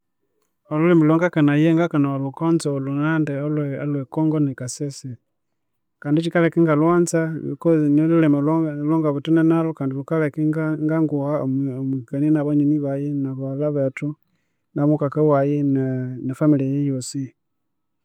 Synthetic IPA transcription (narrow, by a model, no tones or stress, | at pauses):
olulemilwoŋɡakanajeŋɡakanalukonzoolunandeolwea̰lwekoːŋɡonekasese | kaːndit͡ʃikalekiŋɡalwaːnzakonolulemilloŋɡaβutinenalokaːndilukalekiɡaŋɡaŋɡuɣamwikaninaβaɲiniβajenaβalaβetu | namukakawajennefamiliajejosi